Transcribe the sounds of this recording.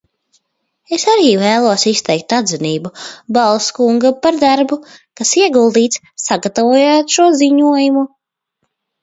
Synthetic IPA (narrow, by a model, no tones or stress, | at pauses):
esaɾiːvæːlˠuɔsist̪ɛjk̚t̪ad̪zɛniːbubalˠskuŋɡapaɾd̪aɾbukasiɛɡulˠd̪iːt̪s | saɡat̪avuɔːjat̪ʃuɔziɲuɔjumu